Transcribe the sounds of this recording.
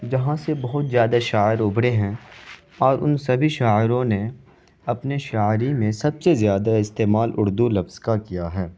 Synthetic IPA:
d͡ʒɐɦãsebɐɦʊt̪zjaːd̪aʃaːɪɾʊbɽeɦɛ̃ | ɔːɾʔʊnsɐbʱiʃaːɪɾõne | ɐpneʃaːɪɾimẽsɐbsezjaːd̪aɪst̪eːmaːlʔʊɾd̪ulɐfz̥kakijaɦɛː

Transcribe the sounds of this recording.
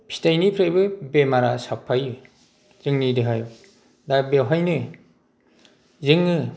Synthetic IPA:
pʰi̥tajnipʰɾajbɯbemaɾasapʰːaj | zɯŋnidɯɦaj | dabewɦajnɯ | zɯŋnɯ

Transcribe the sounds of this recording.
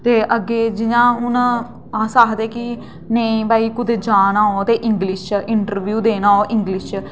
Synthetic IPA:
t̪eːʔəɡeːd͡ʒɪjãːʊn | aːsaːɦd̪eːkɪ | neĩbaːiːkʊd̪eːd͡ʒaːnãːoːt̪eːʔɪŋɡlɪʃɪɳʈəɾʋjuːd̪eːnãːoːʔɪ̃ŋɡlɪʃ

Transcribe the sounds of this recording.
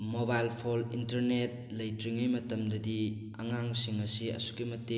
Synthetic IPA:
mobajlpʰolintɐɾnet̚lɐjtɾiŋɐjmɐtɐmdɐdi | ɐŋaŋsiŋɐsiɐ̰su̥kimɐtːe

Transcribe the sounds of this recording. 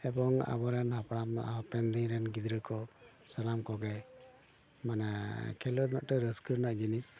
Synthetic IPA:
ɛbɔŋa̰bɔɾɛnhapɽama̰ɔpɛnd̪iŋɾɛnɡid̪ɾəkɔ | salamkɔɡaj | manakʰɛlɔd̪maʔʈɔɾəskəɾnaʔd͡ʒinis

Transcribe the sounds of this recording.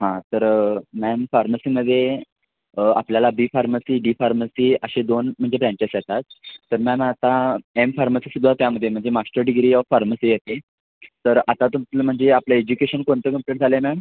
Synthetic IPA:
ɦãt̪əɾmɛmfaɾməsiːməd̪ʱːje | a̰pljalabiːfaɾməsiːɖifaɾməsiəɕed̪onm̤əɳd͡zd͡ʑebɾãɳt͡ɕesjɛt̪at̪ːəɾmɛmat̪aemfaɾməsiːsud̪ʱːat̪jaməd̪ʱːjem̤əɳd͡zemasʈəɾɖiɡɾiːafaɾməsiːjet̪e | t̪əɾat̪at̪umt̪ləm̤əɳd͡zeapljaed͡ʑukeɕənkoɳt̪əkəmpʈeʈ̚d͡zʱalemam

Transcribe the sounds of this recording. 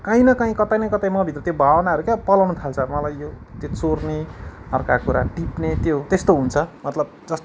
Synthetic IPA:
kãĩnʌkãĩkʌt̪ajnʌjkʌt̪ajmʌbʱit̪rʌt̪jobʱawʌnaʌɾukjapʌlawnut̪ʰalt͡sʰʌmʌlajjo | t̪jot͡sorneʌrkakuɾa̰ʈipnet̪jot̪est̪oɦunt͡sʰʌmʌt̪lʌbd͡zʌst̪

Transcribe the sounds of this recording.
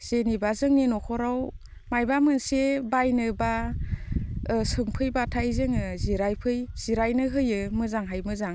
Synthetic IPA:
z̥enibazɯŋninɔkʰɔɾaw | majbamɯnsebajnɯba | sɯŋpʰɯjbatʰajzɯŋɯziɾajpʰɯjz̥iɾajnɯɦɯjɯmɯzaŋɦajmɯzaŋ

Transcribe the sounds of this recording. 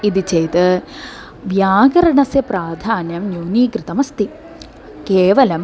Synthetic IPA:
iðit͡ɕejt̪ɨ | ʋjaːɡɐɾɐɳɐsjɐpɾaːd̪ʱaːnjɐmnjuːniːkɾɨt̪ɐmɐst̪i | keːʋɐlɐm

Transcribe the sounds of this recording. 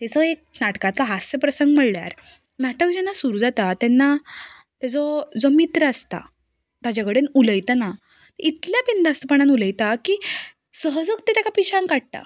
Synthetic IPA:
t̪ɛt͡sɔek̚naʈkat̪laɦasəpɾəsəŋɡm̤əɽlja̰ɾ | naʈəkd͡ʑɛnːasuɾud͡zat̪at̪ɛnːa | t̪jad͡zɔd͡zɔmit̪ɾəəst̪a̰ | t̪ad͡ʑaɡəɽenuləjt̪ana | t̪əit̪ljapind̪ast̪əpəɳanuləjt̪aki | səɦəd͡zəkt̪et̪jakapiɕãŋkaɽ̚ʈ̪a̰

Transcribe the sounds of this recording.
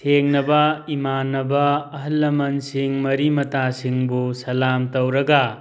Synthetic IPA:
tʰeŋnɐbɐimanːɐbɐːɦɐlːɐmɐnsiŋmɐɾimɐtasiŋbusɐlamtɐwɾɐɡɐ

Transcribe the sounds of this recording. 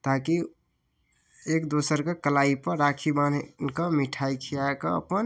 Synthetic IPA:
t̪aki | ekd̪osəɾkekəlaipəɾakʰibannkəmiʈʰaikʰijakəə̰pən

